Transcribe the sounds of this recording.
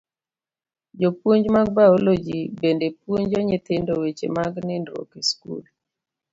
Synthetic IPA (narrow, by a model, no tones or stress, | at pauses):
d͡ʒopwoɲd͡ʒmaɡ̚baolod͡ʒibendepwoɲd͡ʒɔɲɪt̪ɪndowet͡ʃḛmaɡnɪndɾo̰kiskṵl